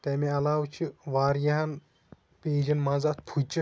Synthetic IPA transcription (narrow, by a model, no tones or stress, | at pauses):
t̪ɛːmẽɐlaːwt͡ʃʰiʋaːɾjɐɦɐn | peːd͡ʒɐnmaːzaːt̪pʰut͡ʃʰi